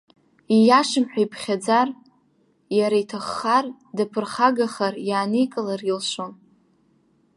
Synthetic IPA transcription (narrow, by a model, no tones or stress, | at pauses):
ijaʂɨmħʷᶣajpʰχʲad͡zar | jaɾaitʰaχːar | dapʰɨrχaɡaχarjaːnikʼɨlarilʃʷon